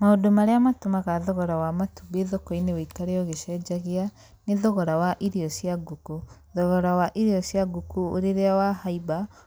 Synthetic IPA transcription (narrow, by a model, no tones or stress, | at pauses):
maodomaɾeamatomaɣaðɔɣɔɾawamatubeðokɔineweikaɾeɔɣeʃɛd͡ʑaɣea | neðɔɣɔɾawaʔiɾeɔsiaɡuku | ðɔɣɔɾawaʔiɾeɔsjaɡukuo̰ɾeɾeawahaiba